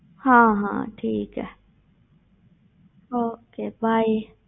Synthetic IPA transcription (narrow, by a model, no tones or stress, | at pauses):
hãːɦã̰ːt̪ʰiːka̰ | ʔoːkʰebaj